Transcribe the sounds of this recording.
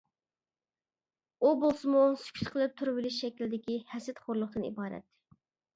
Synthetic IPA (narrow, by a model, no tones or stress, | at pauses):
ubolˠsɨmusy̥kʲʰy̥sqʰəlˠɨp̚t̪ʰʊɾvɪlɪʃʃɛkʲild̪ɪkʲihɛsɪt̪χoɾlˠʊχd̪ɨnḭbɑːɾɛ̰t̪ː